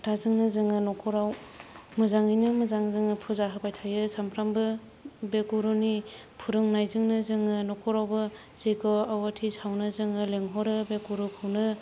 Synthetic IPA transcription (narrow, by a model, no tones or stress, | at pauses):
tʰazɯŋnɯzɯŋɯnɔkʰɔɾawmɯzaŋɯjnɯmɯzaŋzɯŋɯpʰuzaɦɯpajtʰajɯsampʰɾambɯ | bekuɾuni | pʰuɾɯŋnajzɯŋnɯzɯŋɯnɔkʰɔɾawbɯ | z̥ejkɔawatʰisawnɯzɯŋɯleŋɦɔɾɯbekuɾupʰɯwnɯ